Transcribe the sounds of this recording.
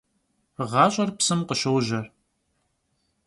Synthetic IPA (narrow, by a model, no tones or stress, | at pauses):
ʁɑːɕʼɐrpsɨmqəɕɐwʒɐr